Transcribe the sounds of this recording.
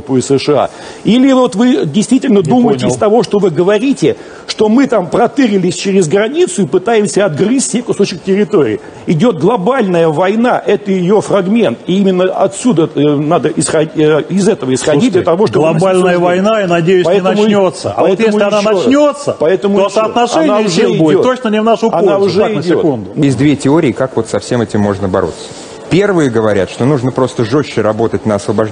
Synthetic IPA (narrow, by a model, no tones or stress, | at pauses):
pːɨɪsɨʂɨa̰ | ilʲɪvo̞t̪vɨdʲɪjst̪vʲitʲɪlʲnəd̪uməjɪtʲɪɪst̪ɐvo̞ʂt̪o̞vɨɡəvɐɾʲitʲɪ | ʂt̪o̞mɨt̪ampɾɐt̪ɨɾʲɪlʲɪsʲt͡ɕɪɾʲɪzɡɾɐnʲit̪sʊɪpɨt̪ajɪmsʲəɐd̪̚ɡrɨsʲsʲekʊso̞t͡ɕɪk̚tʲɪɾʲɪt̪o̞ɾʲɪ̰ː | ɪdʲo̞t̪̚ɡlˠɐbalʲnəjəvɐjnaʔɛt̪əjɪjofrɐɡmʲe̞nt̪ɪimʲɪnːəʔɐt̪sʲud̪ənad̪əʔɪsxɐɪzɛt̪əvəɪsxɐdit̚ʲd̪lʲət̪ɐvo̞ʂt̪olˠɐbalʲnəjəvɐjnainɐdʲejʊspɐɛtnəmʊnʲot̪səpɐɛt̪emʊɐnanɐnʲot̪səpɐɛt̪əmʊosəɐt̪nɐʂɛnʲnaʊeɪbot̪ot͡ɕnənʲɪvnaʂʊɐnaʊʐɪdʲɪo̞tk̪und̪ʊnɪzʲd̪vʲetʲɪo̞ɾʲɪːkakvo̞t̪sɐfsʲemɛtʲɪmːo̞ʐnəbɐ̰ɾo̞̰t̪sːə̥ | pʲe̞rvɨjəɡəvɐɾʲa̰t̪ʂt̪o̞nuʐnəpɾo̞st̪əʐo̞ɕːɪɾɐbo̞t̪ətʲnəɐsvəbɐ